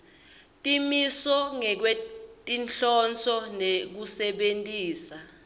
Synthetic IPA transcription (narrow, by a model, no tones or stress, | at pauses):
tʼimisɔŋɛk̬wetʼinɬɔnt͡sʰɔnek̬usɛɓentʼiːsa